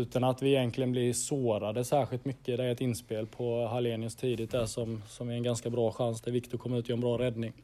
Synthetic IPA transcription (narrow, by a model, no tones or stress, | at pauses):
ʉ̟ːt̪ʰanat̪vɪɛjɛnklɪɡənblɪsoːɾad̪əsæːɾɧɪlt̪mʏkːəɪd̪ɛɾɛt̪ɪnːspeːlpʰɔɦaleːnɪəst̪ʰiːd̪ɪt̪̚d̪æʂɔmsɔmvɪɾɛnɡanskabɾɑːɧansd̪ɛvɪkt̪ʊkʰɔmːəɾʉ̟t̪ɪːɛnbɾɑːɾɛd̪nɪŋ